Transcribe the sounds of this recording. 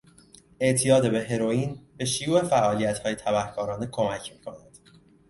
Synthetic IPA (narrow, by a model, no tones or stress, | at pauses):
e̞ʔt̪ʰijɒːd̪ebe̞ɦe̞ɾo̞jiːnbe̞ʃijuːe̞fæʔɒːlijæt̪hɒːjet̪ʰæbæhkʰɒːɾɒːne̞kʰo̞mæcʰmiːkʰo̞næd̪̥